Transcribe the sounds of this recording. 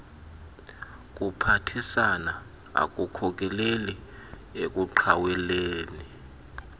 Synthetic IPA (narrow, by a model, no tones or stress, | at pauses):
k̬ʼupʰatʰisana | a̰k̬ʼukʰɔk̬ʼɛleli | ek̬ʼuǃʰawɛleːni